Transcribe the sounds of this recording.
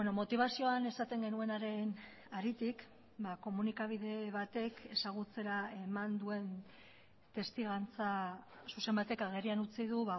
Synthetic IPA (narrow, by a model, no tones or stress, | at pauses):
enomo̞t̪iβ̞asio̞ane̞sat̪e̞ŋɡe̞nue̞naɾe̞n | aɾit̪ik | bako̞munikaβ̞iðe̞βat̪e̞kʰe̞saɣ̞ut͡se̞ɾae̞mand̪ue̞n | t̪e̞st̪iɣant͡sasuse̞mbat̪e̞kaɣ̞erianut͡sið̞uβa